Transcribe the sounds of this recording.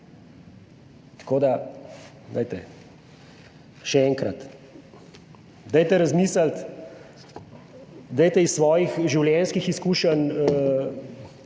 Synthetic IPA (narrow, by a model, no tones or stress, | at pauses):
t̪ḁkoːd̪a | d̪a̰jt̪ɛ | ʃɛɛːŋkɾɐt̪ | d̪ajt̪ɛɾɐzmiːsləlt̪ | d̪ajt̪ɛisːʋɔːjixʒiwljɛnskixiskuːʃən